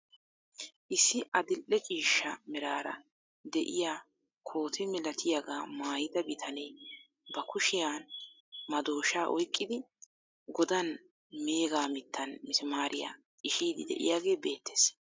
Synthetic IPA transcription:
ʔɪsːɪʔɐd̪ɪlʔɛt͡ʃʼiːʃɐmɛɾaːɾɐ̰ | d̪ɛʔɪjaː | kʰo̞ːt̪ʰɪmɛlɐt̪ʰɪjaɡaːmaːjɪd̪ɐbɪt̪ʰɐnɛː | bɐkʊʃɪjaːn | mɐd̪o̞ːʃaːʔɔjkʼːɪd̪ɪ | ɡɔd̪ɐn | meːɡaːmɪt̪ʰːɐnmɪsɪmaːɾɪja̰ː | ɪʃiːd̪ɪd̪ɛ̰ʔɪ̰jaːɡe̞ːbe̞ːt̪ːeːs

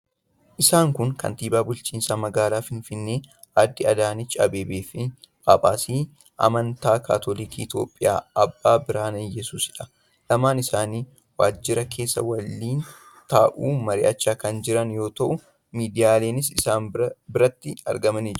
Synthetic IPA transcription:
ʔɪsaːŋkʊŋkɐ̰nt̪iːbaːbʊlt͡ʃiːnsamɐɡaːlaːfɪnfɪnːeː | ʔaːd̪ːɪɐd̪aːnɪt͡ʃʼɐ̰beːbeːfɪ | a̰ːpʼaːsiː | ʔɐ̰mɐnt̪aːka̰ːt̪ʰolikiːt̪jo̰ːpʼːɪja̰ːɐbːaːbɪɾaːnejɛsuːsɪᶑɐ̥ | lɐmaːnɪsaːniː | waːd͡ʒːɪɾɐkʰe̞ːsːɐ̰wɐlːiːn | t̪aːʔuːmɐɾɪʔɐt͡ʃːaːkɐnd͡ʒɪɾɐnjo̞ːt̪ɐʔʊ | miːd̪ɪjaːle̞ːnɪs̬ɪsaːnbɪɾɐt̪ːɪɐ̰ɾɡɐmɐnid͡ʒ

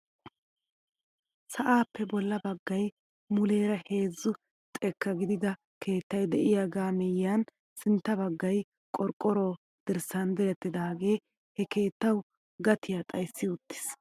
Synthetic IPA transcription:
sɐʔaːpːɛbɔlːɐbɐɡːɐj | mʊle̞ːɾɐhe̞ːzːʊ | t̪ʼɛkːɐɡɪd̪ɪd̪ɐ | kʰe̞ːt̪ːɐjd̪ɛʔɪjaːɡaːmɛjːaːn | sɪnt̪ːɐbɐɡːɐj | kʼɔɾkʼːɔɾo̞ː | d̪̥ɪɾsɐnd̪ɛɾɛt̪ːɪd̪aːɡe̞ː | hɛke̞ːt̪ːɐw | ɡɐt̪ɪjaːt̪ʼɐjsːɪʊt̪ːɪ̥s

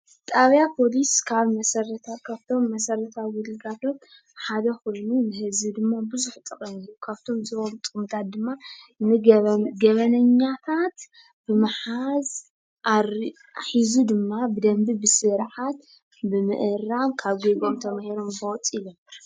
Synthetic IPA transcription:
t̪ʼaβjapʰo̞liskʰaβmɐsɐɾɐt̪ʰakʰaβt̪ʰo̞mːɐsɐɾɐt̪ʰaβwulɨɡat̪ʰo̞t̪ | ħad̪ɐxujnunɨhɨzid̪ɨmːabɨzuħt̪ʼɨkʼɐmijukʰaβt̪ʰo̞mzɨomt̪ʼɨumt̪ʰat̪̚d̪ɨmːanɨɡɐβɐnɐɲːat̪ʰat̪ | b̥ɨmɨħaz | ʔa | aħizud̪ɨmːabɨd̪ɐmbibɨsɨɾħat̪ | bɨmɨʔɨɾamkʰaβɡeɡo̞mt̪ʰɐmahiɾo̞mfɐt͡sʼilomɨɾ

